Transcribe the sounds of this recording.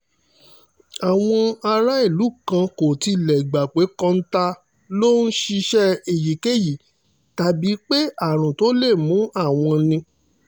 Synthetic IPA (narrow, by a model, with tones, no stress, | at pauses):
a˨w̃ɔ̃˧a˧ɾa˦i˦˨lu˨˦kã˧ko˨ti˧˨lɛ˨ɡ͡ba˨k͡pe˨˦kã˦n̩˦ta˧ | lo˦n̩˦ʃi˧ʃɛ˦e˨ji˨ke˦˨ji˨ | ta˨bi˨˦k͡pe˦a˦˨ɾ̃ũ˨to˨˦le˦˨mũ˨˦a˦˨w̃ɔ̃˧nĩ˧